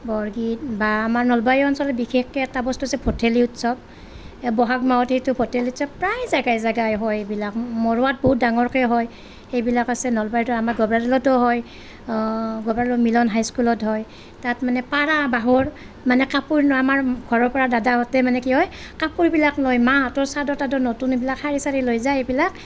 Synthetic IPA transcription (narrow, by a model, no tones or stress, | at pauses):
bɔɹɡitbaːmaɹnɔlbajɔnsɔlɛbixʰexkɛɛtabɔstuasɛpʰoteliutsɔb̚ | bɔɦakmaɔthejtʊpʰɔteliutsɔbpɹajzaɡajzaɡajɦɔjbilakmɔɹʊwat̚bɔɦut̚daŋɔɹkɔɛɦɔj | xejbilakasɛnɔlbajtɔamaɹɡɔbɹadilɔtɔɦɔj | ɡɔbɹadlɔmilɔnɦajskulɔtɦɔj | tatmanɛpaɹabaɦɔɹ | manɛkapuɹnɔamaɹɡʱɔɹɔɹpɔɹadadaɔtɛmanɛkiɦɔj | kapuɹbilaklɔjmaɦatɔɹsadɔtadɔnotunbilakhaɹisaɹilojzajejbilak